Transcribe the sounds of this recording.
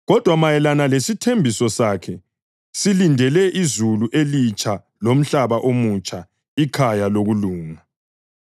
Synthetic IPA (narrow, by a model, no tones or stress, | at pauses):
ɣɔd̥ʱwamajɛlanalesitʰembʱisɔsakʰɛ | silindʱɛlɛʔizuluʔelit͡ʃʼʰa | lom̩ɬaβaʔomut͡ʃʼa | ikʰajaloɣuluːma